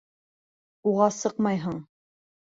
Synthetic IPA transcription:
uʁɑsɤqmɑjɦɤɴ

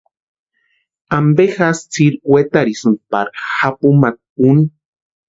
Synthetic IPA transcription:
ambexast͡siɾwet̪aɾisun̚paɾxapumat̪̚un

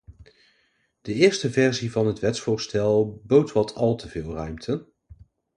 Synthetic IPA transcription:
d̥əɪːɹstəvɛɹzivɑnɦətʋɛtsfʊːɹstɛlˠbowtʋɑtʰɑlˠtəvɪːlˠrœɥmtʰən

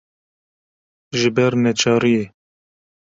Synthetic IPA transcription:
ʒɪbɛɾmɛt͡ʃʰɑːɾije

